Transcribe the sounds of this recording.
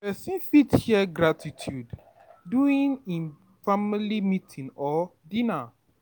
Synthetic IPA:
pɛsĩnfithiɛɡɾatʰitʰjud | duĩnĩn | familimitʰĩnɔdĩna

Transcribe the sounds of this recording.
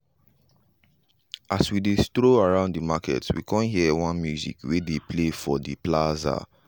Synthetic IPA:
ʔaswidestɹoaɹãʊ̃nddəmakʰɛ̰twḭkʰɔ̃nɦiəwãnmjuzḭkwedepʰlefɔdiplaza̰

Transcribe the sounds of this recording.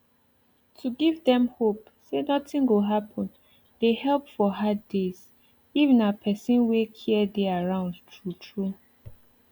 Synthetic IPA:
tʰuɡivdɛ̃mhop | senɔtĩŋɡoɦapʰɔ̃n | d̥ehɛlpfɔɦaddez | ivɛ̃napʰɛsĩnwekʰiɛdɛaɹãʊ̃ndtʰɹutʰɹu

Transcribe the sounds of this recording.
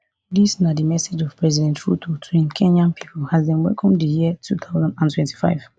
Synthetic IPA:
disnadimɛsed͡ʒɔv̥pɹɛzidɛ̃ntɹṵtʰotʰĩnkʰɛ̃nãnpʰi̥pʰɔlhazbĩnwɛ̰lkʰɔ̃mdijitʰuθʰaʊzãndãntʰwɛ̃nti̥fa̰ɪv̥

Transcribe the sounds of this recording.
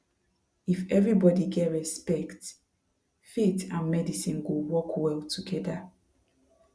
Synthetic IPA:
ifɛvɹibɔdiɡɛtɹɛspɛkt | fitãnmɛdisĩnɡowɔkʰwɛlˠtʰuɡɛda

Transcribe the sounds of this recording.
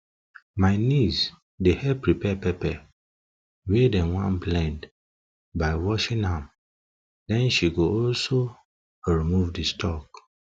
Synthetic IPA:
maɪniz | dehɛpɹipɛpɛpɛ | wedɛ̃nwãnblɛ̃nd | baɪwɔʃĩnhãm | dɛ̃nʃiɡoɔlso | ɹimuvdistʰɔk̚

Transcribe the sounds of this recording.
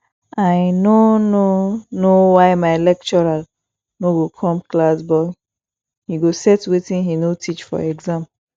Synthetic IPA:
ajnononowaɪmaɪlɛk̚t͡ʃɔɹal | noɡokʰɔ̃mklasbɔl | hiɡosɛtwetĩnɦinotʰit͡ʃfɔ̰ɛɡzãmp

